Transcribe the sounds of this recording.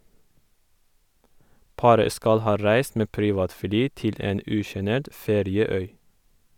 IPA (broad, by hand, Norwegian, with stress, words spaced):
ˈpɑːɾə ˈskɑl ˈhɑː ˈɾæɪs ˈmeː ˈpɾiːʋɑːtˌflyː ˈtɪl ˈeːn ˈʉːʃəˌneːʈ ˈfeːɾɪəˌœʏ